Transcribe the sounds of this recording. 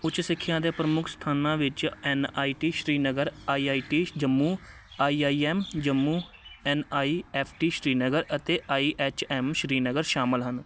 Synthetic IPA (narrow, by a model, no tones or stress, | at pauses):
ʊt͡ʃːt͡ʃːsɪkʰːjãːd̪eːpɾəmʊkʰst̪ʰaːnãːʋɪt͡ʃɛːnaːiːʈiːʃɾiːnəɡəɾaːiːaːiːʈiːd͡ʒəmːuː | aːiːaːiːɛːmd͡ʒəmːuː | ɛːnaːiːɛːpʰʈiːʃɾiːnəɡəɾət̪eːʔaːiːʔɛːt͡ʃɛːmʃɾiːnəɡəɾʃaːmɪlɦən